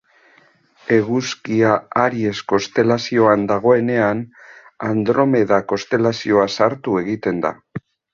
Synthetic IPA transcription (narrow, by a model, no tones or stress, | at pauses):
e̞ɣuskiaaɾie̞sko̞st̪e̞lasio̞and̪aɣ̞o̞e̞ne̞an | and̪ɾo̞me̞ðako̞st̪e̞lasio̞asaɾt̪ue̞ɣit̪e̞nd̪a̰